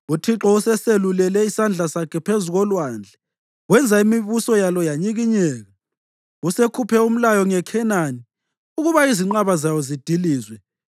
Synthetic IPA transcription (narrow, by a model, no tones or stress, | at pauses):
utʰiǁɔusɛselulɛlɛisand͡ɮʱasakʰɛpʰezuɣɔlwand͡ɮʱɛ | wɛnd͡zʱaimiβusɔjalɔjaɲiɣiɲɛːɣa | usekʰupʰɛum̩lajɔŋɛkʰɛnani | uɣuβaiziŋ͡ǃaβazajɔzid̥ʱiliːzwɛ